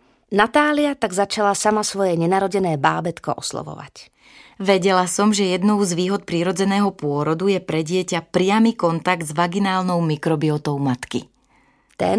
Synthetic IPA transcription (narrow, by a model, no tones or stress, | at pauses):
nat̪aːliat̪aɡzat͡ʃalasamasʋɔjɛɲɛnaɾɔɟɛnɛːba̰ːbɛt̪kɔ̰ʔɔslɔ̰ʋɔ̰ʋa̰c | ʋɛɟɛlasɔmʒɛjɛd̪nɔʊzʋiːɦɔt̪̚pɾiɾɔd͡zɛnɛːɦɔpʊɔɾɔd̪ujɛpɾɛɟɪɛcapɾɪamikɔnt̪aɡd̪zʋaɡinaːlnɔʊmikɾɔbiɔt̪ɔʊmat̪kḭ | t̪ɛ̰